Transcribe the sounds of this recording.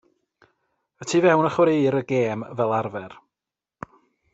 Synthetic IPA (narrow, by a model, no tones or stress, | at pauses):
ətʰivɛwnəχwɾejɾəɡeːmvɛlˠarvɛr